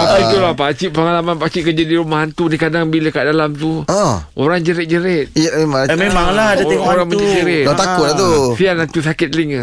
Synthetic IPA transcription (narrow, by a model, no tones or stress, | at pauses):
apait̪ulahpat͡ʃiʔpəŋalamanpat͡ʃiʔkəd͡ʒadiɾumaɦant̪unikadaŋbiləkaʔdalamt̪uɔ̃oɾaŋd͡ʒəɾɛt̪̚d͡ʒəɾɛt̪̚memãŋmẽmaŋlaɦadat̪eŋɔɾaŋməad͡ʒəɾedt̪akʊlat̪usianat̪usakɪt̪̚liŋa